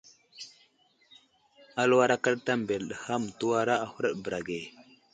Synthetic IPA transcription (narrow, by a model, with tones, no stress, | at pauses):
a˦lwa˦ɾa˦ka˦lta˦m˨be˨lɗə˨ha˦m˨tu˦wa˦ɾa˦a˦˨hu˦ɾə˦ɗbə˨ɾa˨ɡe˨